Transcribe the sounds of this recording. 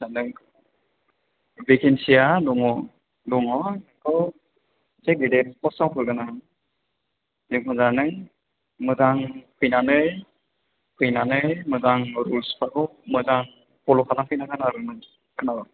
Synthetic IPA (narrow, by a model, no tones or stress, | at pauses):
anɯŋk | bikinsijaluŋɔ | luŋɔnɯkʰɯ | zeɡidepɔsawpʰɯɾɡana | zɯŋmɯzanɯŋ | mɯzaŋpʰɯjnanɯj | pʰɯjnanɯjmɯzaŋɾulspʰakɔmɯzaŋ | pɔlɔkʰalaŋpʰɯjnaɡanaɾɯnɯ | kʰɯnaba